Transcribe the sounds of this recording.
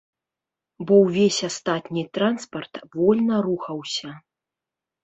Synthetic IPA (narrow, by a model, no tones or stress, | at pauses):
bɔwvʲesʲast̪at̪nʲit̪ɾanspɐrt̪vɔlʲnɐruxɐwsʲɐ